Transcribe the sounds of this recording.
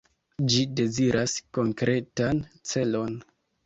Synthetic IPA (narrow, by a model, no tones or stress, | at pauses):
d͡ʒide̞ziɾʔasko̞ŋkɾʔe̞tant͡se̞lo̞n